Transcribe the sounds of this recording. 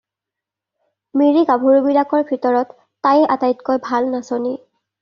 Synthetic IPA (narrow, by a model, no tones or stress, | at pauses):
miɹikabʱuɹubilakɔɹbʱitɔɹɔtː | ajɛʔatajtkojbʱalnasoni